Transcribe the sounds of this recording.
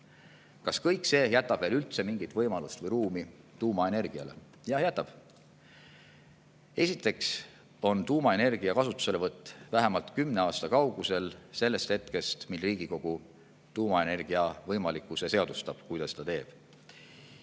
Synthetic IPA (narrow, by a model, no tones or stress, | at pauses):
kɑskɤjkse̞ːjæt̪ːˑɑb̥ve̞ːlylt̪se̞miŋɡ̥it̪vɤjmɑlust̪vɤjɾuːmi | t̪uːmɑe̞ne̞rɡ̥iɑ̰le̞̰ | jɑjæt̪ːˑɑb̥ | e̞sit̪ːˑe̞ks | o̞nt̪uːmɑe̞ne̞rɡ̥iɑkɑsut̪ːˑu̥se̞levɤt̪ːˑvæɦemɑlt̪kymne̞ɑːst̪ɑkɑwɡ̥use̞lse̞lːe̞st̪he̞t̪ke̞st̪milriːɡ̥iko̞ɡ̥u | t̪uːmɑe̞ne̞rɡ̥iɑvɤjmɑlikːˑuse̞se̞ɑd̪ust̪ɑb̥kujd̪ɑst̪ɑt̪e̞ːb̥